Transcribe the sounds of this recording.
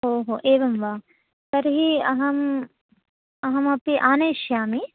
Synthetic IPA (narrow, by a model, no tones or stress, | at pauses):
ɦoːɦoːʔeːʋɐmʋaː | t̪ɐɾɦiɐɦɐm | ɐɦɐmaːpeʔaːneːʃjaːme